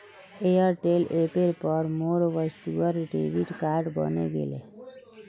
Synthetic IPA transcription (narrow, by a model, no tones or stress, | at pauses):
ejəɾʈelʔepeɾpəɾmoɽʋəst̪uəɾɖḛʋiʈkaːɾɖbə̰neɡḛlḛ